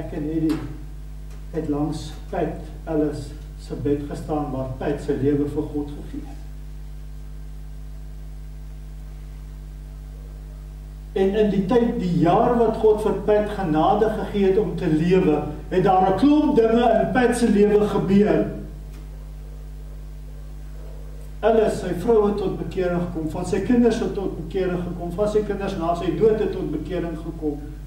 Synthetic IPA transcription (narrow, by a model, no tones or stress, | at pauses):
ækɛnɦidi | ɛtlɐŋs | pɛt | ɐləsː | əbɛtχəstɑːnvɑːrpɛtsəliəvəfərχɔtχəχiə | ɛnənditɛjt̚dijɑːrvɐtχɔtfərpætχənɑːdəχəχiəɦɛtɔmtəliəvəɦɛt̚dɑːɾəklɔmdəŋəənpɛtsəliəvəχəbyər | ɛləsəjfrəwɦɛtːɔt̚bəkiəɾəŋχəkɔmfɐnsəjkənərsətːɔt̚bəkiəɾəŋχəkɔmfɐnsəjkənərsnɑːsəjduətətːɔt̚bəkiəɾəŋχəkɔm